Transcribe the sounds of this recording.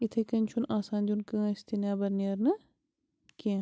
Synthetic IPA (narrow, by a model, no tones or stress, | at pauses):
it̪ʰekɐnʲt͡ʃʰunaːsaːnʲd̪ʲunkɨɐst̪inʲaːbɐɾniɐɾnɐ | kĩ